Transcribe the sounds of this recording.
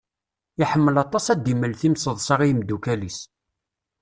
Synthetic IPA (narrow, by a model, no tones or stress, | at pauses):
iħəmːəlɑt̪ˤɑsæd̪iməlθimsəðˤsɑʁijəmd̪ukælis